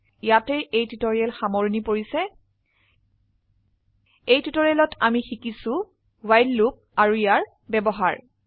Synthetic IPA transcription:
jatɛʔejtitoɹialxamɔɹnipoɹisɛ | ejtitoɹialɔtamixikisʊ̃ | wajlːup̚aɹuijaɹ | bɛbɔɦa̰ɹ

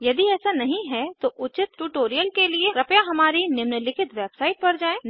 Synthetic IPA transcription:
jɐd̪iɛːsanɐɦĩɦɛt̪oʔʊt͡ʃɪt̪ʈuːʈoːɾijəlkelieɾɐpjaɦɐmaːɾinɪmnəlɪkʰɪt̪ʋeːbsaːɪʈ̚pɐɾd͡ʒaːẽːn

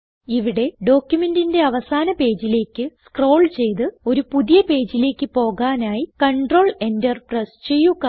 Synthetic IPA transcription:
iʋiɽe̞ɖo̞ːkʲjume̞ndinde̞ɐʋɐsaːnɐpe̞ːd͡ʑile̞ːkʲːɨskro̞ːɭt͡ɕe̞jt̪ɨo̞ɾupuðijɐpe̞ːd͡ʑile̞ːkʲːɨpo̞ːɣaːnaːjikɐɳɖro̞ːɭe̞ndɐrprɐst͡ɕe̞jːuɣɐ

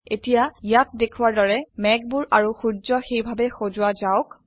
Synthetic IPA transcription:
etijajat̚dekʰuwaɹdɔɹɛmɛɡ̚bʊɹʔaɹuxuzɔxejbʱabɛxozʊwazaʊk

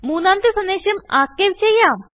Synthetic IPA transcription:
muːnːaːnt̪ɨsɐnd̪eːɕɐmaːkːeːʋt͡ɕejːaːm

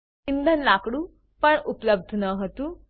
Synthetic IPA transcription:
ind̪ʱənlakɽu | pəɳupləb̚d̪ʱnəɦot̪uː

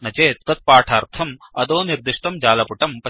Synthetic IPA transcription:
nɐt͡ʃeːt̪ːɐt̪̚paːʈʰaːɾt̪ʰɐm | ɐd̪oːniɾd̪iʂʈ̪ɐmd͡ʒaːlɐpuʈɐmpɐ

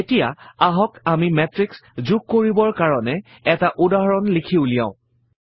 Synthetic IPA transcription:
etijaaɦɔkamimɛtɹikszuk̚kːoɹibɔɹkaɹɔnɛ | ɛtaʔudaɦɔɹɔnlikʰiulijã̰ʊ̃

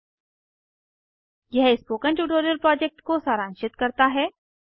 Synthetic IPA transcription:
jɛɦɪspoːkə̃ɳʈuːʈoːɾjəlpɾɔːd͡ʒɛk̚ʈkosaːɾãːnʃɪt̪kɐɾt̪aɦɛː

